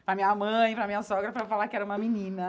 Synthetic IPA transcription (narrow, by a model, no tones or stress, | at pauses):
pɾɐmĩɲɐmɐ̃j̃ɪpɾɐmĩɲɐsɔɡɾɐpɾɐfalaɾkɪɛɾɐũmɐminĩnɐ